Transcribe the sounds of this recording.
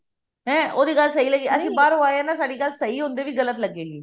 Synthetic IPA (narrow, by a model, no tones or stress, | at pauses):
ɦɛ̃ːoːd̪iːɡəlsəiːləɡiːəsĩːbaːɾɦoːaːeãːnaːsaːɖiːɡəlsəiːɦõnd̪eːʋiːɡələt̪ləɡːeːɡiː